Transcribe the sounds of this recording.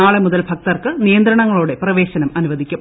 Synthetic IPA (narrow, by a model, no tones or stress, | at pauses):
aːɭemuðɐlbʱɐk̚t̪ɐrkɨnijɐnd̪ɾɐɳɐŋːɐɭoːɽe̞prɐʋe̞ːɕɐnɐmʔɐnuʋɐd̪ʱikʲːum